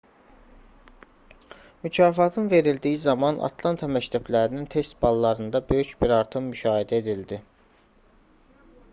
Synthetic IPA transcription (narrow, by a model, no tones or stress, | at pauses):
mycʰɑːfɑt̪ʰɯnve̞ɾild̪ijizɑmɑnʔɑ̰t̪ʰlˠɑnt̪ʰɑmæct̪ʰæblæɾinint̪ʰe̞st̪bɑlˠːɑɾɯnd̪ɑbø̞jycbiɾɑɾt̪ʰɯmːyʃɑːhed̪æe̞d̪ild̪i